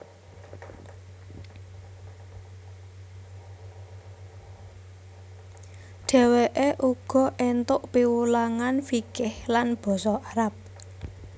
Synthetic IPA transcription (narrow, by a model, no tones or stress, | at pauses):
ɖ̥ɛ̤weʔeʔuɡ̥ɔ̤ʔent̪ʊʔpiwulaŋanfikɪhlanb̥ɔ̤sɔaɾap̚